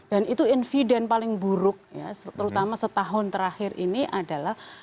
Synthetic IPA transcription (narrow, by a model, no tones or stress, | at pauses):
d̥anit̪uinfidɛnpalɪŋbuɾʊk̚ja̰st̪əɾut̪amasət̪aɦʊnt̪əɾahɪɾʔḭniʔadalah